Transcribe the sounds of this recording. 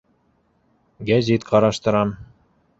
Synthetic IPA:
ɡæzit̪qʰɑɾɑʃt̪ɤ̆ɾɑm

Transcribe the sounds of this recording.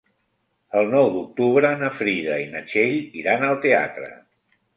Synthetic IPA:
əlˠnɔwd̪uk̚t̪uβ̞ɾənəfɾiðəinət͡ʃeʎiɾanəlˠt̪ea̰t̪ɾə̰

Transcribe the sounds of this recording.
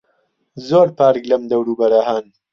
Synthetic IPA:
zoːɾpaːɾklɐmd̪ɐwɾuːbɐɾaɦaːn

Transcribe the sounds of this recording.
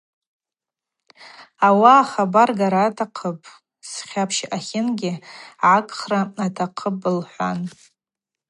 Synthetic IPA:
awaːχabarɡaɾaːtʰaqʰəpʼ | sχʲapʰʃʔaχʲɪnɡʲɪʕakʼχraatʰaqʰəpʼɨlħʷa̰n

